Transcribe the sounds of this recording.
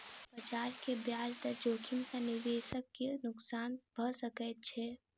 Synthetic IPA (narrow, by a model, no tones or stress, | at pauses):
bət͡ʃaːɾkebjaːd͡ʒd̪əɾd͡ʒoːkʰimsə̃nid̪eːʃəkːenʊksaːnbʱəsəkɛt̪̚t͡ʃʰɛ